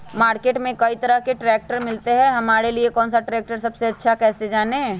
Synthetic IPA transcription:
maːɾkeːʈmẽkɐit̪ɐɾəɦkeʈɾɛːk̚ʈəɾmɪlt̪eɦɛ̃ːɦɐmaːɾeliekɔːnsaʈɾɛːk̚ʈəɾsɐbseɐtːʃʰakɛːsed͡ʒaːne

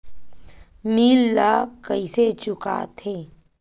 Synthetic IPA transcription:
miːlːaːkəiset͡ʃʊka̰ːt̪ʰeː

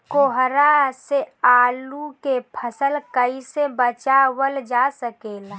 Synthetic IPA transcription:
koɦɾaseaːlukepʰəsəlkəisebət͡ʃawəld͡ʒasəkeːl

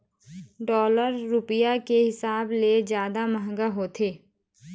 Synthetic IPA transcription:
ɖɔːləɾːʊpɪjakeɦɪsaːbled͡ʒjaːd̪aməɦŋɡaɦoːt̪ʰeː

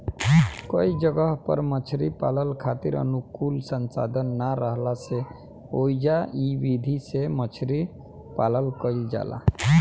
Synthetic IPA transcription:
kəid͡ʒəɡəɦpə̰ɾmət͡ʃʰɾipaləlkʰat̪iɾə̰nukulsənsa̰d̪ʱənːaɾəɦlase | oid͡ʒaibid̪ʱisemət͡ʃʰɾi | paləlkəld͡ʒa̰la̰

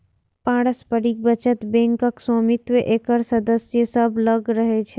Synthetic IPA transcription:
pãɽəspəɽik̚bət͡ʃət̪bɛ̃ŋkəksɔmit̪ʋeʔekəɾsəd̪əsjəsəbʱləɡɾəɦet͡ʃʰe

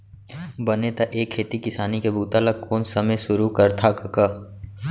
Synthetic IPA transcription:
bɐnet̪aʔeːkʰːeːt̪ikɪsaːnikebʱuːt̪alɐɡ̚koːnsɐməjʃʊɾukɐɾt̪ʰakɐka

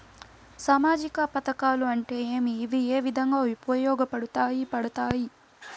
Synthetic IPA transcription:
saːmaːd͡ʒikɐpɐt̪ɐkaːluɐɳʈe̞ːeːmiːʋieːʋid̪ʱɐŋɡaːʋupɐjɔːɡɐpɐɽut̪aːjipɐɽɐt̪aːji

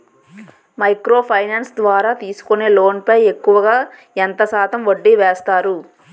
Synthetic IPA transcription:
mɐjkɾo̞ːpʰɐjnaːnsd̪ʋaːɾaːt̪iːsu̥kone̞ːlo̞ːnpɐje̞kːuʋɐɡaː | ent̪ɐsaːt̪ɐmʋoɖːiʋɛːst̪aːɾu

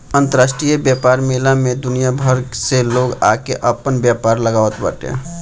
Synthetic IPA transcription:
ənt̪əɾasʈɾijəbjapaɾmelamed̪unijabʱəɾseloɡakeʔəpːənbjapaɾləɡawt̪ba̰ʈḛ̃

